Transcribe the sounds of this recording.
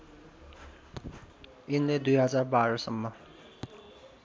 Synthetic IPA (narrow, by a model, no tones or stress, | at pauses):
inled̪ujɦʌd͡zarbaɾʌsʌmːʌ